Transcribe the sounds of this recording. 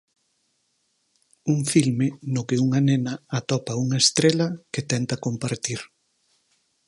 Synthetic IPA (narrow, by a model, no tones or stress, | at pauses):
uŋfilmɪnʊkɪuŋanenɐat̪ɔpɐuŋɐest̪ɾelɐket̪ɛnt̪ɐkompaɾt̪iɾ